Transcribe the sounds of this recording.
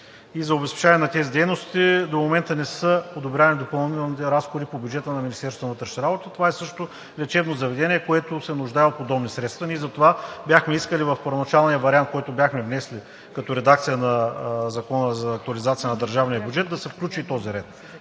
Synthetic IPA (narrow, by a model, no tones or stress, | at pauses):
izɐobɛspɛ̥t͡ʃaniɛnɐt̪ɛzid̪ɛjnost̪id̪omomɛnt̪ənɛsəpod̪obɾʲanid̪opɐlˠnit̪ɛlˠnit̪ɛɾasxoɾipobʲjud͡ʒɛt̪ənɐminist̪ɛɾsvənvət̪ɾəʃnʲɐɾabot̪ət̪ovaɛsɤʃt̪o | lʲɛt͡ʃɛbnozɐvɛd̪ɛnʲiɛkoɛt̪ʊsɛnʊʒd̪aɛot̪̚pod̪ɔbnisɾɛt̪st̪vɐnizɐt̪ovabʲjaxmɛiskəlivɐfpɐɾvonɐt͡ʃalˠnijəvɐɾiant̪̚kɔjt̪ʊbʲjaxmɛvnɛsli | kɐt̪ɔɾɛd̪ak̚t̪sijənɐzɐkɔnəzɐːk̚t̪uɐlizat̪sijənɐd̪ɐɾʒavnijəbʲjud͡ʒɛt̪̚d̪ɐsɛfklʲut͡ʃit̪ɔziɾɛt̪̚